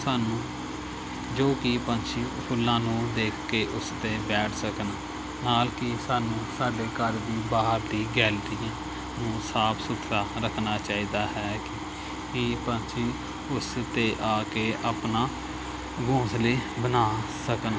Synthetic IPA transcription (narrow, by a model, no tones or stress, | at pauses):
saːnũː | d͡ʒoːkipə̃nt͡ʃʰiːpʰʊlːãːnũːd̪eːkʰkeːʔʊst̪eːbɛːʈʰsəkən | naːlkɪsaːnũːsaːɖeːkəːɾd̪iːbaːɦəɾd̪iːɡɛːlɾiːãː | nũːsaːpʰsʊt̪ʰɾaːɾəkʰnaːt͡ʃaːiːd̪aːɦɛːkɪ | kipə̃nt͡ʃʰiː | ʊst̪eːʔaːkeːʔaːpnaː | ɡõːsleːbənaːsəkən